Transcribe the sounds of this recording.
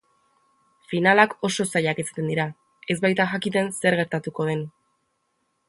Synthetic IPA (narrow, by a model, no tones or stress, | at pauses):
finalako̞so̞saʎakesḁt̪e̞nd̪iɾa | e̞zβajt̪axakit̪e̞nse̞ɾɣe̞ɾt̪at̪uko̞ð̞e̞n